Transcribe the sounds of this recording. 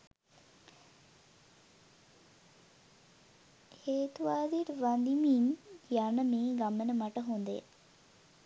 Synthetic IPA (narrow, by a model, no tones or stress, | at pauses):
heːt̪uʋaːd̪iʈʋand̪imiːnjanəmiːɡamənəmaʈəɦund̪ḛ